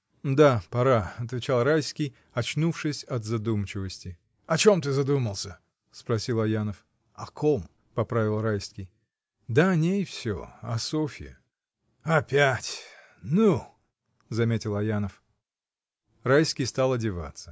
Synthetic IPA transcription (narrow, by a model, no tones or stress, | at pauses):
d̪apɐɾaɐt̪vʲɪt͡ɕalˠɾajskʲɪj | ɐt͡ɕnufʂɨsʲɐt̪zɐd̪umt͡ɕɪvəsʲtʲɪ | ɐt͡ɕo̞mt̪ɨzɐd̪uməlˠsʲə | spɾɐsʲilˠɐjanəf | ɐkʰom | pɐpɾavʲɪlˠrajskʲɪj | d̪anʲejfsʲo̰ɐsofʲɪ̰jə̰ | ɐpʲætʲ | nu | zɐmʲetʲɪlˠɐjanəf | rajskʲɪjst̪alˠɐdʲɪva̰t̪sə̥